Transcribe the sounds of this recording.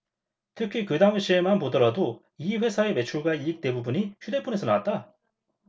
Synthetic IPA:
tʰɯkʰikɯdaŋɯɕʰie̞manpodɯɾado | iɸwe̞sʰae̞me̞t͡ɕʰuɭɡaik̚t͈e̞bubuɲiçude̞pʰune̞sʰʌnawat̚t͈a

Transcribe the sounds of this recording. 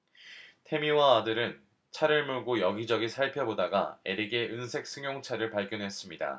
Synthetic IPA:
tʰe̞miwaːdɯɾɯn | t͡ɕʰaɾɯɭmuɭɡojʌɡid͡ʑʌɡisʰaɭpʰjʌbodaɡaeɾiɡe̞ʔɯnsʰe̞k̚s͈ɯŋjoŋt͡ɕʰaɾɯɭpaɭɡjʌnɦe̞s͈ɯmɲida̰

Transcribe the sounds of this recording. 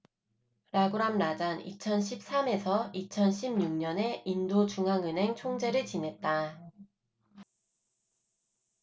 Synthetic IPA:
ɾaɡuɾamɾad͡ʑanḭt͡ɕʰʌnɕʰip̚s͈ame̞sʰʌit͡ɕʰʌnɕʰimɲuŋɲʌne̞indot͡ɕuŋɦaŋɯnɦe̞ŋt͡ɕʰoŋd͡ʑe̞ɾɯɭt͡ɕine̞t̚t͈a

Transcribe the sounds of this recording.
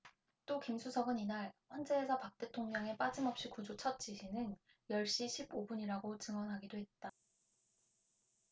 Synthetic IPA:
t͈okimsʰusʰʌɡɯninaɭɸwʌnd͡ʑe̞ːsʰʌpak̚t͈e̞tʰoŋɲʌŋe̞p͈ad͡ʑimʌp̚ɕ͈ikud͡ʑot͡ɕʰʌt̚t͡ɕ͈iɕʰinɯn | jʌɭɕ͈iɕʰibobuɲiɾaɡot͡ɕɯŋwʌnɦaɡidoɦe̞t̚t͈a

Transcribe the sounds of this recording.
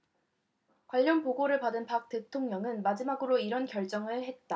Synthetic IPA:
kwaʎːʌnpoɡoɾɯɭpadɯnpak̚t͈e̞tʰoŋɲʌŋɯnmad͡ʑimaɡɯɾoiɾʌnkjʌɭt͡ɕ͈ʌŋɯɭhe̞t̚t͈a

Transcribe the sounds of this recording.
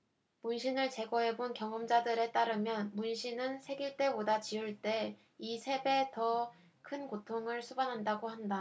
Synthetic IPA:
munɕʰinɯɭt͡ɕe̞ɡʌɦe̞bonkjʌŋɯmd͡ʑadɯɾe̞t͈aɾɯmjʌnmunɕʰinɯnsʰe̞ɡiɭt͈e̞bodat͡ɕiuɭt͈e̞ | isʰe̞be̞tʌ | kʰɯnkotʰoŋɯɭsʰubanɦandaɡohanda

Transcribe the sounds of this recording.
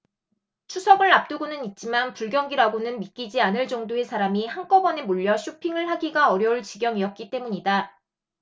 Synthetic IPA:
t͡ɕʰusʰʌɡɯɭːap̚t͈ɯɡonɯnit̚t͡ɕ͈imanpuɭɡjʌŋɡiɾaɡonɯnmit̚k͈id͡ʑianɯɭt͡ɕ͈ʌŋdoe̞sʰaɾamihank͈ʌbʌne̞moʎːʌɕʰupʰiŋɯɭɦaɡiɡaʌɾjʌuɭt͡ɕiɡjʌŋiʌt̚k͈it͈e̞muɲida

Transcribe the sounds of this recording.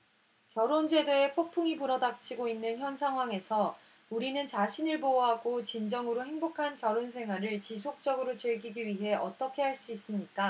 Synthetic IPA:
kjʌɾond͡ʑe̞dee̞pʰok̚pʰuŋipuɾʌdak̚t͡ɕʰiɡoinːɯnçjʌnsʰaŋɦwaŋe̞sʰʌ | uɾinɯnt͡ɕaɕʰinɯɭpoɦaɡot͡ɕind͡ʑʌŋɯɾoɦe̞ŋbokʰankjʌɾonsʰe̞ŋwaɾɯɭt͡ɕisʰok̚t͡ɕ͈ʌɡɯɾot͡ɕɯɭɡiɡiɥiɦe̞ʔʌt͈ʌkʰe̞ɦaɭs͈uis͈ɯmɲik͈a

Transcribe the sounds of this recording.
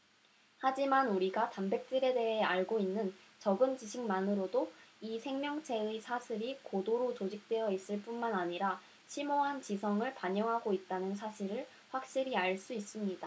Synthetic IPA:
had͡ʑimanuɾiɡatambe̞k̚t͈ɯɾe̞de̞ɦe̞aɭɡoinːɯnt͡ɕʌɡɯnt͡ɕiɕʰiŋmanɯɾodoisʰe̞ŋmjʌŋt͡ɕʰe̞ɯsʰasʰiɾikodoɾot͡ɕod͡ʑik̚t͈we̞jʌis͈ɯɭp͈unmanaɲiɾa | ɕʰimoɦant͡ɕisʰʌŋɯɭpaɲʌŋɦaɡoit̚t͈anɯnsʰaɕʰiɾɯɭ | ɸwak̚ɕ͈iɾiaɭs͈uis͈ɯmɲid̥a

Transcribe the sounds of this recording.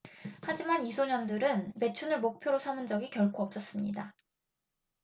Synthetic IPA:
had͡ʑimanisʰoɲʌndɯɾɯnpe̞t͡ɕʰunɯɭmok̚pʰjoɾosʰamɯnd͡ʑʌɡikjʌɭkʰoʌp̚s͈ʌs͈ɯmɲida

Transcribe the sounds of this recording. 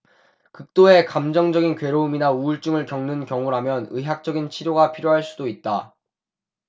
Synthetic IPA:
kɯk̚t͈oe̞kamd͡ʑʌŋd͡ʑʌɡinkwe̞ɾouminauɯɭt͡ɕ͈uŋɯɭkjʌŋnɯnkjʌŋuɾɦamjʌnɯɦjak̚t͡ɕ͈ʌɡint͡ɕʰiɾjoɡapʰiɾjoɦaɭs͈udoit̚t͈a

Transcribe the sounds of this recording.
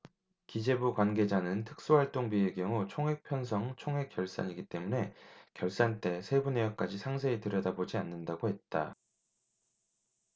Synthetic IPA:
kid͡ʑe̞bukwanɡe̞d͡ʑanɯntʰɯ̥k̚s͈owaɭt͈oŋbiekjʌŋut͡ɕʰoŋɦe̞k̚pʰjʌns̬ʰʌŋt͡ɕʰoŋɦe̞k͈jʌɭs͈a̰ɲiɡit͈e̞mune̞kjʌɭs͈ant͈e̞sʰe̞bunejʌk͈ad͡ʑisʰaŋs̬ʰe̞itɯɾʌdabod͡ʑianːɯndaɡohe̞t̚t͈a

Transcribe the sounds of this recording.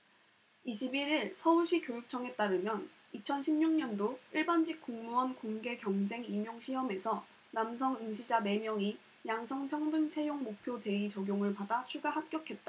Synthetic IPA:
iɕʰibiɾiɭsʰʌuɭɕ͈ʰikjojuk̚t͡ɕʰʌŋe̞t͈aɾɯmjʌn | it͡ɕʰʌnɕʰimɲuŋɲʌndoiɭband͡ʑik̚k͈oŋmuʌnkoŋɡe̞kjʌŋd͡ʑe̞ŋimjoŋɕʰiɦʌme̞sʰʌ | namsʰʌŋɯnɕʰid͡ʑane̞mjʌŋi | jaŋsʰʌŋpʰjʌŋdɯŋt͡ɕʰe̞joŋmok̚pʰjot͡ɕe̞it͡ɕʌɡjoŋɯɭpadat͡ɕʰuɡaɦap̚k͈jʌkʰe̞t̚t͈a

